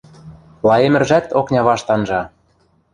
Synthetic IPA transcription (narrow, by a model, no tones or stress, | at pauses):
lˠɑemɘ̆rʒæt̪oknʲɑβɑʃt̪ɑnʒɑ